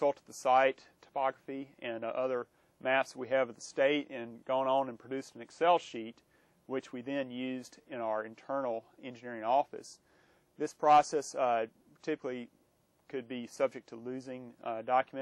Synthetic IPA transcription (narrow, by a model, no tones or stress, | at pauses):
sʌlˠtd̪̚ðəsaɪtʰə̥pʰɑɡɹəfiɨ̃nʔʌðə˞ | mæpswiɨvʌðəsteɪɾɪ̃nɡoʊɪ̃ŋə̃nɨ̃npʰɹ̥ɨdʉsn̩ɨksɛlˠʃit̚ | wɨt͡ʃwiðɨ̃njʉzdɨ̃ñaʊə˞ɨ̃ntʰɜ̃˞nl̩ˠɛ̃nd͡ʒɨnɪɹɪ̃ŋɔfɨ̰s | ðɪspʰɹ̥ɑsɛs | tʰɪpəklˠi | kʰɨd̚bisʌb̚d͡ʒɨk̚tʰəlʉzɪ̃ŋdɑkjmɨ̃